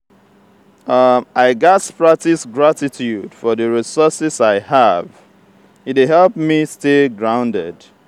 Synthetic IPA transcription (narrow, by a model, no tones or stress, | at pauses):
ʌʔaɪɡaspɹak̚tisɡɹatitʰjud̥fɔðəɹisɔsɪsaɪhav | it̚eɦɛlˠpmistelɡɹãʊ̃ndɛ̰d̥